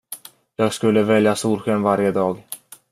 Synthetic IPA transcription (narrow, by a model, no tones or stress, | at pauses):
jɑːɡskɵlːəvɛljasuːlɧønvaɾjəd̪ɑːɡ